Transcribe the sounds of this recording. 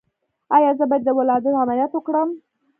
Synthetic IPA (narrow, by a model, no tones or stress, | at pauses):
ɑjɑzəbɑjad̪ːəwalɑd̪ɪnamaljat̪wəkɽəm